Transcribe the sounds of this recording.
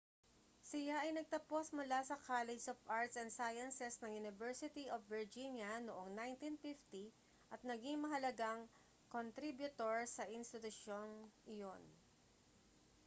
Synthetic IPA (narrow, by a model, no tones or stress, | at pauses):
sɪjaʔɐjnɐɡ̚t̪ɐpo̞smʊlasɐkaːlɛd͡ʒsofʔaɹt̪sɛnd̪sajɐnsɛsnɐŋjunɪvɛɹsɪt̪iʔofːɪɹd͡ʒinjɐnoʔoŋnajnt̪infift̪i | ʔɐt̪̚nɐɡiŋmɐɦɐlɐɡaŋ | kont̪ɾibjʊt̪oɹsɐʔɪnst̪ɪt̪ʊʃonʔɪjon